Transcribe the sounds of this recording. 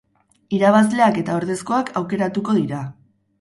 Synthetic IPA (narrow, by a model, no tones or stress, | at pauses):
iɾaβ̞azle̞ake̞t̪ao̞ɾðe̞sko̞akʰawke̞ɾat̪uko̞ðiɾa